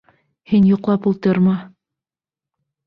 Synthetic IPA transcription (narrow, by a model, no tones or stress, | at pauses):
hinjuqlˠɑpulˠt̪ɤɾmɑ